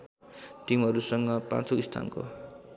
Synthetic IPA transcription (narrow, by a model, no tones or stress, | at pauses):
t̪imɦʌɾusʌŋɡʌpã̰nt͡soist̪ʰa̰nko̰